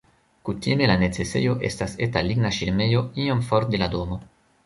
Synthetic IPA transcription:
kutime̞lane̞t͡se̞se̞̰jo̞ʔe̞̰stase̞taliɡnaʃiɾme̞jo̞iomfoɾt̚delado̞mo̞

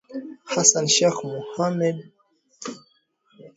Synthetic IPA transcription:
hasanʃexmuhamɛd̪

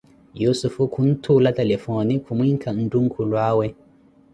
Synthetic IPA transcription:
jusufukʰuntʰuːlatɛlɛfoːnikʰumiŋkʰan̩duŋkʰulwaːwɛ

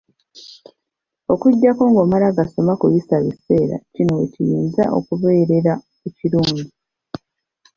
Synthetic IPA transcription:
o̞kuɟːako̞ːŋɡoːmalaɡaso̞makujisaβise̞ːɾa̰cinwḛcijiːnza̰ʔo̞̰kuβe̞ːɾe̞ɾa | eciɾumi

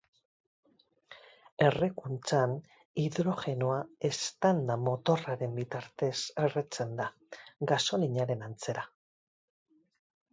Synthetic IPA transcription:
e̞rekunt͡san | iðɾo̞xe̞noae̞st̪and̪amo̞t̪o̞raɾe̞mbit̪aɾt̪e̞seret͡se̞nd̪a | ɡaso̞liɲaɾe̞nant͡se̞ɾa

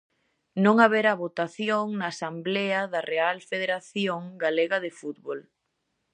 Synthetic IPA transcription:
nõŋaβeɾaβot̪aθjoŋnaːsambleɐðɐrealfeð̞eɾaθjoŋɡaleɣɐðefut̪βol

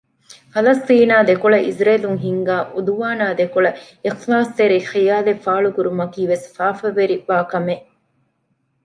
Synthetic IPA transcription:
fɐlɐst̪iːnaːd̪ekuɭɐʔizɾɐːluŋɦiŋɡaːʔud̪uʋaːnaːd̪ekoɭɐ | ixsaːst̪eɾixijaːlefaːɭukuɾumɐkiːʋesfaːfɐʋeɾiʋaːkɐmeʔ

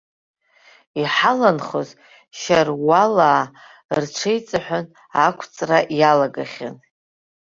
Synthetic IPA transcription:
iħalanχoz | ʃarwalaː | rʈ͡ʂʷʰejt͡sʼaħʷᶣan | akʷʰt͡sʼraʔjalaɡaχʲa̰n

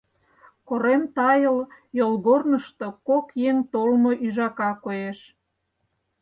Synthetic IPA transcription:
koɾemt̪ɑjəl | jolɣornəʃt̪o̽kokjeŋt̪olmoʔyʒɑkɑkoeʃ

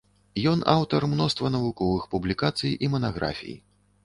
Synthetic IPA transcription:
jɔnawt̪ɐrmnɔst̪vɐnɐvukɔvɨxpublʲikat̪sɨjʔimɐnaɣɾa̰fʲḭj̰

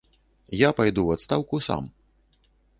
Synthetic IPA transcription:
japajd̪uwat̪st̪awkusa̰m

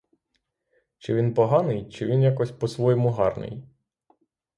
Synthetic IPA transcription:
t͡ʃɪʋʲinpɔɦɑnɪjt͡ʃɪʋʲinjakɔsʲpɔsʋɔjɔmʊɦɑrnɪ̰j

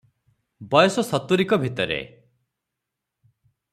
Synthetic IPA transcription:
bɔjɔsɔsɔt̪uɾikɔbʱit̪ɔɾḛ

